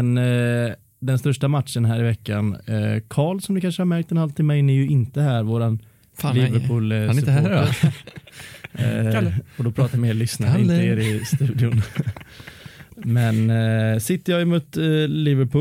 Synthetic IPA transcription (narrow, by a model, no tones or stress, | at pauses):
ɛn | d̪ɛnst̪œʂʈamat̪ʂənɦæːɾɪvɛkːankʰɑːɭsɔmd̪ɵkʰanʂəhaɾmæɾk̚t̪ɛnhalt̪ʰɪmːɛnːɛjɵɪnt̪əhæːɾvoːɾan | lɪvəɾpʰʊːls | ɔd̪ɔpʰɾɑːt̪ajmeːɭʏsnaɪnəeːɾɪst̪ʉ̟ːd̪ɪʊn | mɛnsɪt̪ːəjɑːjəmuːt̪lɪːvəɾpʰʊ